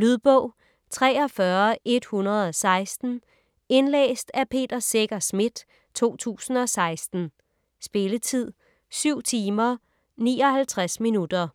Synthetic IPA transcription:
lyðˠb̥ɔʊ̰ | t͡sʰʁɛːɒ̽fɶɐʔe̝d̥hunʁɐð̩ˠɒsɑ̈ɪsd̥n̩ | e̝nlḛːsd̥æpʰe̝̰ːd̥ɐseɡ̥ɐsmid̥ | t͡sʰo̝̰ːt͡sʰṵːsn̩ɒ̽sɑ̈ɪsd̥n̩ | sb̥e̝lət͡sʰið̰ˠ | syʊ̰t͡sʰiːmɐ | niːɒ̽hælt͡sʰʁasminud̥ɐ

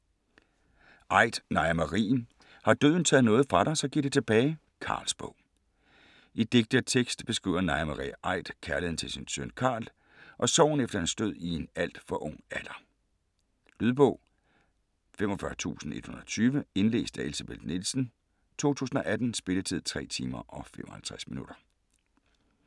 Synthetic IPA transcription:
ʔɑ̈ɪ̰d̥nɑ̈ɪmɑʁḭːn | hɑ̈d̥øð̞̰ˠn̩t͡sʰɛ̰ːð̞̩ˠnɔ̽ːð̩ˠfʁɑ̈ɾɑ̈ɪsɒ̽ɡ̥iɡ̥̚d̥e̝t͡sʰe̝b̥ɛːɪ | kʰɑ̈ːlsb̥ɔ̽ʊ̰ | id̥e̝ɡ̥̚d̥ət͡sʰeɡ̥sd̥b̥e̝sɡ̥ʁḭːʊ̰ɐnɑ̈ɪmɑʁḭʔɑ̈ɪ̰d̥kʰæɐlihen̩t͡sʰe̝lsinsønkʰɑ̰̈ːl | ʔɒ̽sɒʊ̰n̩efd̥ɐhænsd̥øð̞̰ˠie̝næl̰d̥fɒ̽ʔɔ̽ŋ̰æl̥ɐ | lyðˠb̥ɔʊ̰ | femɒ̽fɶɐt͡sʰṵːsn̩e̝d̥hunɐt͡sʰyːʋəe̝nle̝̰ːsd̥æe̝lsæb̥eld̥nilsn̩ | t͡sʰo̝̰ːt͡sʰṵːsn̩ɒ̽ʔæd̥n̩sb̥e̝lət͡sʰið̞̰ˠt͡sʰʁɛ̰ːt͡sʰiːmɐʔɒ̽femʔɒ̽hælt͡sʰʁæsminuɾ̥ɐ

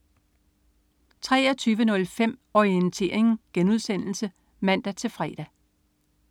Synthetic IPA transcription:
t͡sʰʁɛ̰ːɐt͡sʰyːʋənɔ̽lfem̰ɒiənt͡sʰe̝̰ɐ̰eŋŋ̩ɡ̥enuð̞ˠsen̰l̩sə | mæn̰d̥æt͡sʰe̝fʁɛ̰ːd̥æ

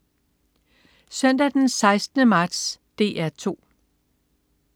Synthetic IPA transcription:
sœn̰d̥æd̥ensɑ̈ɪsd̥ənəmɑ̈ːd̥sd̥e̝̰ːʔæɐt͡sʰo̝̰ː

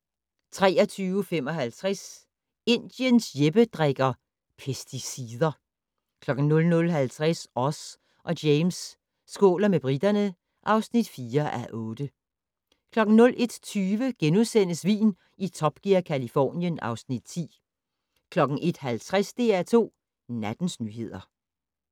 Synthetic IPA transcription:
t͡sʰʁɛ̰ːɐt͡sʰyːʊəfemɒ̽ɦælt͡sʰʁas | e̝nd̥jənsjeb̥əd̥ʁaɡ̥ɐ | pʰesd̥isiðˠɐ | kʰlɒ̽ɡ̥n̩nɔ̽lnɔ̽lɦælt͡sʰʁasɒ̽s | ʔɒ̽d̥eɪmsː | ɡ̥o̰ːlɐmeb̥ʁid̥ɐnə | ʔɑ̈ʊsnid̥fiːɐʔæʔɔ̽ːd̥ə | kʰlɒ̽ɡ̥n̩nɔ̽lʔe̝d̥t͡sʰyːʋəɡ̥enusen̰əsʋḭːn | it͡sʰɒ̽b̥ɡ̥iɐkʰælifɒ̰ːnjənɑ̈ʊsnid̥̚t͡sʰḭː | kʰlɒ̽ɡ̥n̩ʔe̝d̥hælt͡sʰʁasd̥e̝ːæt͡sʰo̝̰ː | næd̥n̩snyːɦe̝ð̞̰ˠɐ

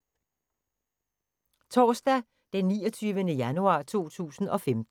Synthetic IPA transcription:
t͡sʰɒ̰ːsd̥æ | d̥enːiːɒt͡sʰyːʋənəjænuɑ̈ːt͡sʰo̝̰ːt͡sʰṵːsn̩ʔɒ̽femd̥

